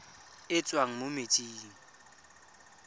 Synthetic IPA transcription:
ɪt͡sʼwaŋ̩mʊmet͡sʼiːŋ̩

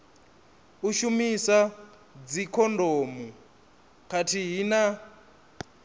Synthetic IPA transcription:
uʃumisa | d͡zikʰɔndʱoːmu | kʰatʰiɦina

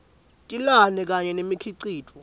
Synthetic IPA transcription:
tʼilanɛk̬ʼaɲɛnemikʰiǀiːtʰʼɔ

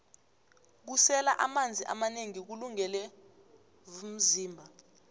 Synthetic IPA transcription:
k̬usɛla̰ʔamand͡zʱiʔa̰maneŋik̬uluŋɛlɛ | m̩ziːmbʱa

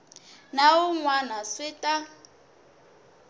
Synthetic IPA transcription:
naʊŋwanaswɪtʼa

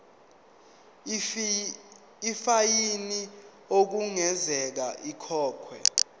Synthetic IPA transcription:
fajini | ok̬uŋɛzɛk̬aʔikʰɔːkʰwɛ̰

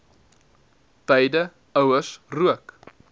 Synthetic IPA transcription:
tɛjdə | œwəsruək

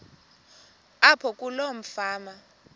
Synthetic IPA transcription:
apʰɔkʼulom̩faːma

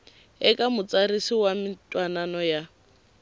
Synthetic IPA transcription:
ɛkʼamʊt͡sarisiwamɪtʼwananɔja

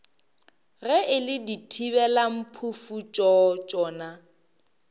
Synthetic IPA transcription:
ɣɛɪlɪditʰibɛlam̩pʰufut͡ʃʼɔt͡ʃʼɔːna

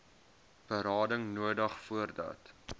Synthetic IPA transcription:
b̥əɾɑːdəŋnuədəχfuərdɑ̰ːt

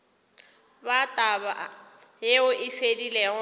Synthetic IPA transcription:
batʼabaɦeʊʔɪfedilɛɣʊ

